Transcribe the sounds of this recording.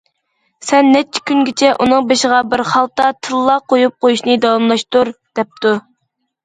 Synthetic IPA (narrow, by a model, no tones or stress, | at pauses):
sɛnːɛt͡ʃʰːɪ̥kʲynɡʲɪt͡ʃʰɛʔunɨŋbeʃəʁɑbɪɾχɑlˠt̪ːɑt̪ʰɨlˠːɑqʰojup̚qojuʃnɨd̪ɑwɑmlˠɑʃt̪uɾd̪̥ɛp̚t̪ʰu